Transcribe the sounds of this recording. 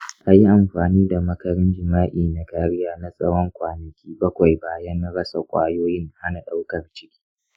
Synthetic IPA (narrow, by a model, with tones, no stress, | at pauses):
ʔa˨ji˦ʔa˨mɸaː˨niː˦da˨mɐ˦kɐ˨ɾɪ˦nd͡ʒɪ˨maː˦ʔiː˨na˨kaː˨ɽɪ˦jaː˦na˨sʼɐ˦ɽɔ˦ŋkʷaː˨nɐ˨kʲiː˦bɐ˦kʷa˨jbaː˨jɐ˦n˦ɽɐ˦sa˨kʷʼa̰ː˦joː˦jɪ˦ŋha˦na˨ɗa˦wkɐ˨rt͡ʃɪ̥˦kʲi̥ː˦